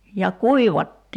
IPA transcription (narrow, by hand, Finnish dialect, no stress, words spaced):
jɑ kuiʋɑtːiː